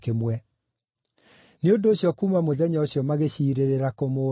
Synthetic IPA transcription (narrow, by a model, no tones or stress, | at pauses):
kemwɛ | neondoːɕjɔkuːmamoðɛɲaoɕjɔmaɣeɕiːɾeɾeɾakomo